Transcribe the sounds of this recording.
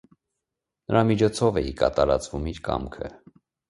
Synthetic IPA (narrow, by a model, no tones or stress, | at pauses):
nəɾɑmit͡ʃʰɔt͡sʰɔvɛjikɑt̪ɑɾɑt͡svumiɾkɑ̰mkʰə̰